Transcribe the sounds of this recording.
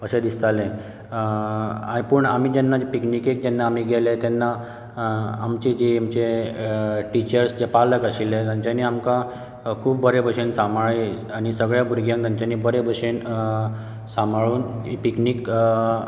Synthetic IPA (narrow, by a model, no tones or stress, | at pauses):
pəɕed̪ist̪alẽ | apəɳam̤iːd͡ʑɛnːad͡ʑepiknikek̚d͡ʑenːaːm̤iɡelet̪ɛnːaː | mt͡ɕid͡ʑiamt͡ɕe | ʈit͡ɕəɾsd͡ʑepaləkəsilet̪jaɲt͡ɕaniːamka | kʰuːp̚bəɾebəɕensamaɭe | aɽ̃isəɡɭjabʱuɾɡjãŋkt̪jaɲt͡ɕaniːbəɾebʱəɕen | samaɭuːnipiknik